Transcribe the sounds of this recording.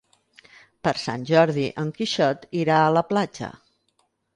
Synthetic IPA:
pəɾsa̰nʲʒɔɾðiʔəŋkiʃɔt̪iɾaələplad͡ʒə̰

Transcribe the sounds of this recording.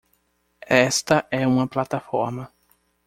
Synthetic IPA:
ɛst̪ɐʔɛũmɐplat̪afɔɾmɐ

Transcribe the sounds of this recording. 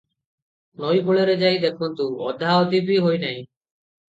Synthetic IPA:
noːiːkoɭeːɾeːd͡ʒaːiːd̪eːkʰõːnt̪ũːɔ̰d̪ʱaːot̪iːbʱiːɦoːiːnaːɦĩː

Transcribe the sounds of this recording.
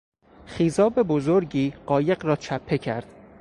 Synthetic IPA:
χiːzɒːbe̞bo̞zoɾɟiːɢɒːje̞ɢɾɒːt͡ʃʰæpʰːe̞cʰæɾd̪̥

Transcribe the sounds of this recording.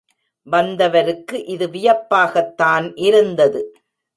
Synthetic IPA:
ʋɐnd̪ɐʋɐɾɯkːɯʔɪðɯʋɪjɐpːaːɣɐt̪ːaːnʔɪɾɯnd̪ɐðɯ

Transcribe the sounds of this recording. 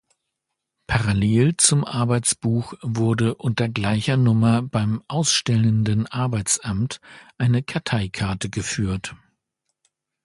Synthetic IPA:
pʰaʁaleːlt͡sʊmʔaɐbaɪt͡sb̥uːxvʊɐdəʔʊntɐɡlaɪçɐnʊmɐbaɪmʔaʊsʃtɛləndənʔaɐbaɪt͡sʔamtʔaɪnəkʰaɐtʰaɪkʰaɐtəɡəfyːɐt

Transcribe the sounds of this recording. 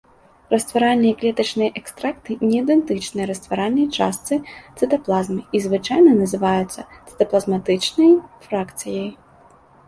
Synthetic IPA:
rɐst̪vaɾalʲnɨjɐklʲɛt̪ɐt͡ʂnɨjɐʔɛkst̪ɾakt̪ɨnʲɛid̪ɛnt̪ɨt͡ʂnɨjɐɾɐst̪vaɾalʲnɐjt͡ʂa̰st̪sɨt̪sɨt̪ɐplˠazmɨizvɨt͡ʂajnɐnɐzɨvajut̪sːɐt̪sɨ̥t̪ɐplˠɐzmat̪ɨt͡ʂnɐjfɾakt̪sɨjɐj

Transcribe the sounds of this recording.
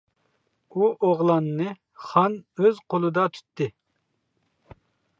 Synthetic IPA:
uʔoʁlˠɑnːɨ | χɑnøzqʰolˠɨd̪ɑt̪ʰy̥t̪ʰːɪ

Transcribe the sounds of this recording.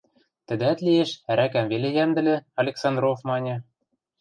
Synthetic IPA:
t̪ɘ̆d̪æt̪lieʃæɾækæmvelejæmd̪ɘ̆lʲĕɑlʲeksɑnd̪rofmɑnʲɤ̆

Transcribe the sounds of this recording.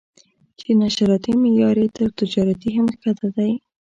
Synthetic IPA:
t͡ʃenaʃaɾɑt̪imejɑɾet̪əɾt̪ɪd͡ʒɑɾat̪iɦamkat̪ad̪aj

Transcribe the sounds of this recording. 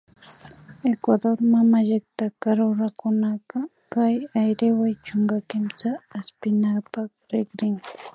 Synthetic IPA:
ekwad̪oɾmamaʎɪkt̪akaɾoɾakʊnaɢɑ | kajajɾɪwajt͡ʃoŋɡakɪmt͡saːspɪnapakɾɪɡɾɪŋ

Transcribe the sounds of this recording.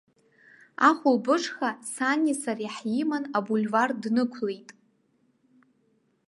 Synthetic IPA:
aχʷʊlbɨʂʰχasanʲisariħjimanabulʲvardnɨkʷʰlejtʼ

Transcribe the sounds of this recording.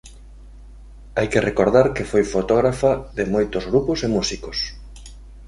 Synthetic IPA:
ajkɪrekoɾðaɾkɪfojfot̪ɔɣɾafaðɪmojt̪ozɣɾupʊsemusikos

